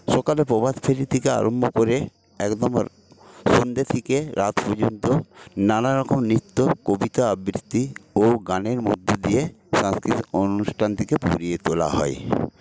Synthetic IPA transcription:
ʃɔkalepɔbad̪pʰeɾit̪ʰikea̰ɾʔombʱokoɾe | ɛkd̪ɔm̰ | sond̪et̪ʰikeɾat̪pɔd͡ʑont̪onanaɾɔkomnit̪ːokobit̪aabɾit̪ːioɡaneɾmo̰d̪ʱːod̪ijeʃãskɾit̪onusʈʰant̪ikepo̰ɾiet̪ola̰ɦɔ̰e

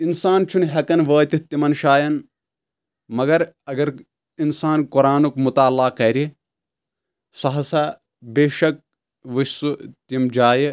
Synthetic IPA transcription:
insaːnt͡ʃʰunɦɐkɐnʋəːt̪it̪imɐnʃaːjɐn | mɐɡɐɾɐɡɐɾ | insaːnkuɾaːnukmut̪aːlːaːkɐɾi | sɐɦɐsɐ | beːʃɐk̚ | ʋɨʃsut̪imd͡ʒaːji

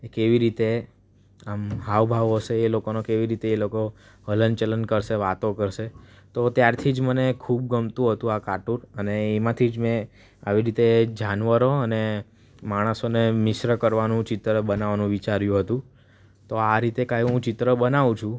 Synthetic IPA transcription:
ekeʋiɾit̪e | amɦaʋbʱaʋɦəʃeːlokonokeʋiɾit̪eːloko | ɦələnt͡ʃələnkəɾʃeʋat̪okəɾʃet̪ot̪jaɾt̪ʰid͡ʒmənekʰub̚ɡəmt̪ũɦət̪ũakaʈuɾəneːmãt̪ʰid͡ʒmɛ̃ | aʋiɾit̪ed͡ʒanʋəɾoəne | maɽ̃əsonemɪʃɾəkəɾʋanũt͡ʃɪt̪ɾəbənaʋanũʋit͡ʃaɾjũɦət̪ũ | t̪oaɾit̪ekajũɦũt͡ʃɪt̪ɾəbənaʋũt͡ʃʰũ

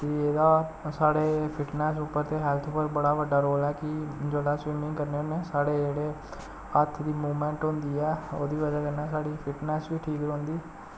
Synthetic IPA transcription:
t̪eːeːd̪aːsaːɽeːpʰɪʈnɛːsuːpːəɾt̪eːɦɛːlt̪ʰpəɾbəɽaːʋəɖaːɾoːlɛːkɪd͡ʒeːɽaːsʋɪmɪ̃ŋɡkəɾneːoneːsaːɽeːd͡ʒeːɽeː | ət̪ʰːd̪iːmuːmɛ̃ːɳʈɦʊ̃nd̪iːɛːo̰ːd̪iːʋəd͡ʒaːkəɾnaːsaːɽiːpʰɪʈnɛːsʋiːʈʰiːkɾõːnd̪iː

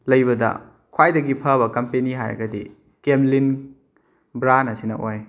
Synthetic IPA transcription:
lɐjbɐdɐ̰ | kʰwajdɐɡipʰɐβɐkɐmpeniɦajɾɐ̰ɡɐdḭ | kemlin | bɾanɐsinɐʔoj

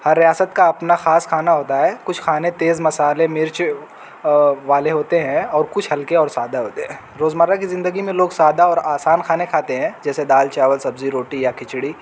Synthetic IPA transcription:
hɐɾːijaːsət̪kaɐpnaxaːskʰaːnaɦoːt̪aɦɛːkʊt͡ʃʰkʰaːnẽt̪eːzmɐsaːlemɪɾt͡ʃ | ʋaːleɦoːt̪eɦɛ̃ɔːɾkʊt͡ʃʰhɐlkeɔːɾsaːd̪aɦoːt̪eɦɛ̃ː | ɾoːzməɾakizɪ̃nd̪əɡimẽloːɡsaːd̪aɔːɾaːsaːnkʰaːnekʰaːt̪eɦɛ̃ːd͡ʒɛːsed̪aːlt͡ʃɛːʋəlsɐbziɾoːʈijakɪt͡ʃɽi

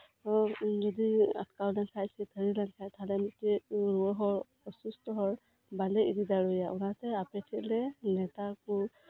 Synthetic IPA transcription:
zɔdia̰t̚kawlaŋkʰajsɛt̪ʰəɹilaŋkʰajt̪ʰalɛmutɛɹuɔɦɔɹ | ɔsustɔɦɔɹ | balɛididaɹɔjaʔunatɛapɛtʰiʔlɛnɛtaku

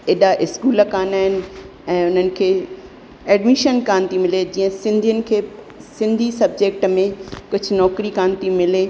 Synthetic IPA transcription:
ɪɗaʔɪskuːlkaːnaːɦɪnɪ̆ | ɛ̃ːʊn̤ənɪ̆kʰeː | ɛːɖmiʃənkaːnt̪ʰimɪled͡ʑiːə̃sɪ̃nd̪ʱijənɪ̆kʰeː | sɪ̃nd̪ʱisɐbd͡ʑeːk̚ʈmẽkʊd͡ʑʱʊnɔːkɾikaːnt̪ʰimɪle

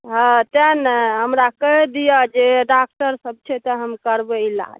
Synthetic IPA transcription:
ɦə̃t̪ənɦəmɾakəɦd̪ijəd͡ʒeɖak̚ʈəɾsəb̚t͡ʃʰɛt̪ɔɦəmkəɾbəila̰d͡ʒ

